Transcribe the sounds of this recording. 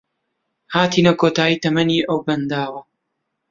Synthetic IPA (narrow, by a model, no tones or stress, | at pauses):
haːt̪iːnɐkoːt̪aːjiːt̪ɐmɐniːʔɐwbɐnd̪aːwɐ